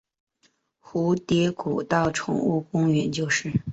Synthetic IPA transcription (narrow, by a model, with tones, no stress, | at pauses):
xu˧˥t̪jɛ˧˥ku˨˩t̪ɑ˥˩ʊʈ͡ʂʰʊ̰˧˥ŋu˥˩kʊ˥ŋɥɛ˧˥nt͡ɕjo˥˧ʊʂɻ̩˥˩